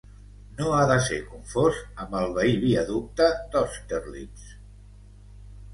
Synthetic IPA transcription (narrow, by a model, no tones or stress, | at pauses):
noaðəsḛkuɱfozəmbəlˠβəiβiəðup̚t̪əd̪ɔst̪əɾlḭs